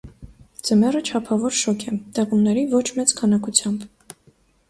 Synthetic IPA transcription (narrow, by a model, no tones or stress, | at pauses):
d͡zəmɛrət͡ʃʰɑpʰɑvɔɾʃɔkʰɛt̪ɛʁumnɛɾivɔt͡ʃʰmɛt͡skʰɑnɑkut͡sʰjɑmb